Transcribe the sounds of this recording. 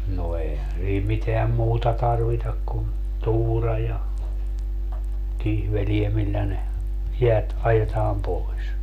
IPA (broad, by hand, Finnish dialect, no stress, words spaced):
no eihæn siː miteæm muːtɑ tɑrʋitɑk kun tuːrɑ jɑ kihʋelie milːæ ne jeæt ɑjetɑːm poi̯s